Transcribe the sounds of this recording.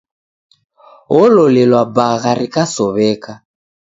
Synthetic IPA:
ɣɔlɔlɛlwabaɣaɾikasɔβɛːka

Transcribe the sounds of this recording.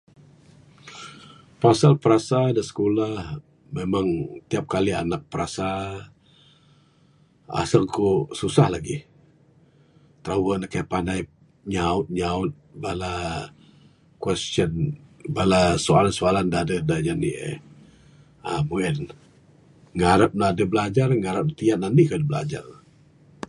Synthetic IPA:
pasalpəɾasadasə̥kolah | memaŋt̪iap̚kalianak̚pəɾasa | a̰səŋkosusahlaɡi | t̪ɾawənəkajpanaj | ɲaʊt̪̚ɲaʊt̪̚bala | kwɛst͡ʃənbalasoalansoalandaadədaɲanḭʔə̰ | amuɛn | ŋaɾap̚naadəbəlad͡ʒarŋaɾap̚nət̪iat̪̚nanikadəbəla̰d͡ʒa̰r

